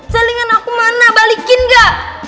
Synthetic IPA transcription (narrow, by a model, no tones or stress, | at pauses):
saliŋanakumanabalikɪnɡaʔ